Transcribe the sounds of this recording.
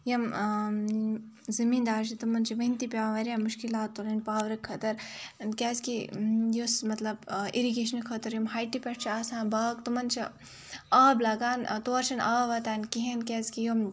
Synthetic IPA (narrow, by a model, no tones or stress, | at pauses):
jɐm | zɐmiːnd̪aːʃit̪umɐnt͡ʃʰiʋɐɦint̪ipʲaːʋɐɾʲjɐmuʃkilaːt̪ːolɐnpaːʋɾɐkʰːɐt̪ɐɾkʲɛːzkijosmɐt̪lɐbiɾiɡeːʃɐnɐkʰɐt̪ɐɾjɐmɦaːjʈipʲɐʈt͡ʃʰiaːsãːnbaːɡt̪umɐnt͡ʃʰi | aːblaːɡaːnt̪oːɾt͡ʃʰɐnʔaːʋɐt̪aːnkiɦenkʲɛːzkijom